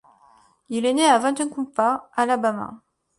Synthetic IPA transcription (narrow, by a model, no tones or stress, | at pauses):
ilɛneavɛ̃t̪ɛ̃kɔ̃paalabama̰